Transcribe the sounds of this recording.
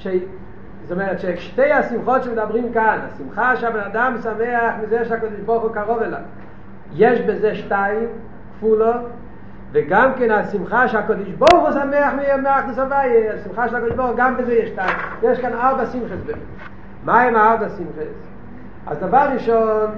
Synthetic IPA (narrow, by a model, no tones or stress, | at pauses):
ʃe | zomɛʁɛtʃeʃteɪasimχɔtʃɪmɪdabʁimkanasimχaʃeabɛnadamsamɛaχmɪzeʃakɔdɪʃbɔʁχʊkaʁɔvɛla̰ | jeʃbɪzeʃtaɪm | kfulə | vɪɡamkɛnasimχaʃeakɔdɪʃbɔʁˠχusamɛaχmɪameaχmɪsabajeasimχaʃɛlakɔdɪʃʒbɔɾχʊɡambɪzejɛʃtaɪmjɛʃkanalbasimχəsbɛ | maɛmaalbasimχɛs | a̰zdavaʁʁiʃɔn